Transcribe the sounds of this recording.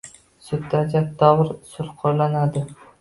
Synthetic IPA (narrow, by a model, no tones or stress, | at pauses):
sʊt̪d̪ad͡ʒat̪̚d̪ɒʁɾsʊlˠqʰoɾlanad̪ɪ